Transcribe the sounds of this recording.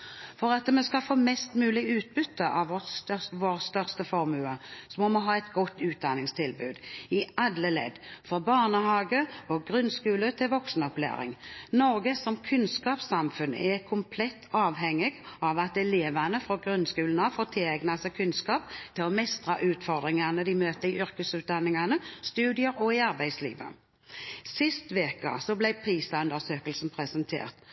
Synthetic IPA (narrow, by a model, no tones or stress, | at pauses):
fɔɾɑt̪mɛskɑfoːmɛst̪mʉːlɪɡʉːt̪̚bʏt̪ːəʔɑʋʋɔtst̪œʋoːʁst̪œʁst̪əfɔʁmʉːəsɔmɔməɦɑːɛt̪ɡɔt̪ːʉːt̪̚d̪ɑnɪŋst̪ʰɪlbʉːd̪ɪɑd̪ləlɛ̰d̪fɾɔbɑːʁnəhɑːɡəɔɡɾʉnskʉːlət̪ʰɪlʋɔksnɔplḛːɾɪ̰ŋnɔɾɡəsɔmkʰʉnskɑːpsɑmfʉnɛkʰʊmpʰlɛt̪ʰːɑːʋɦɛŋːɪɡɑʋɑt̪̚d̪ɛleːʋɑnəfɾɔɡʁʉnskʉːlnɑfoːt̪ʰɪlæɡnɑsɛkʰʉnskɑːp̚t̪ʰɪlɔmɛst̪ʁɑʔʉːt̪fɔʁd̪ʁɪŋɑnəd̪ɪmøːt̪əɪʔʏɾkəsʉːt̪̚d̪ɑnːɪŋɑnəst̪ʉːd̪ɪəɾɔɪɑɾbæɪslḭːʋə̰ | sɪst̪ʋeːkəɑ̰sɔblæɪpʰʁiːsɑʉnd̪əʁsøːkəlsn̩pʰʁɛsənt̪ʰḛːʁt̪